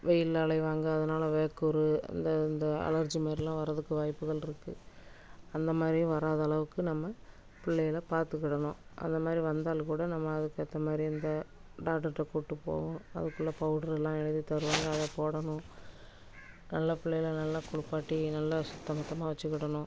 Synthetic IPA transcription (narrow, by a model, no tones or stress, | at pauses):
ʋɛjɪlːɭɐɪʋaːŋɡɐːðɐnaːlɐʋeːkːɔɾɯɐ̰nd̪ɐɪnd̪ɐɐ̰lɐɾd͡ʒimeːɾɐlːãːʋɐɾɐðɯkːɯʋaːjpːɯɣɐɭɪɾɯkːɯ | ɐnd̪ɐmaːd̪ɾijʊ̃ʋɐɾaːðɐɐɭɐʋɯkːɯnɐmːɐ | pɪɭːɐjɪlɐpaːɾt̪ɯkːɪɽɐnʊ̃ːʔɐ̰nd̪ɐmaːd̪ɾiʋɐnd̪aːlkuːɽɐnɐmːɐːðɯkːɯɐt̪ːɐmaːd̪ɾiɐnd̪ɐɖaːkʈːɐɾʈːɐkuːʈːɯpo̰ːʋʊ̃ɐ̰ðɯkːɯɭːɐpɐʊɽɐɾɛlːãːɛɻɯðit̪ɐɾɯʋaːŋɡɐːðɐpoːɽɐɳʊ̃ | nɐlːɐpɪɭːɐjɪlɐnɐlːaːkʊɽʊpːaːʈːinɐlːɐsʊt̪ːɐmɐt̪ːɐmaːʋɐt͡ʃːɯkːɪɽɐnʊ̃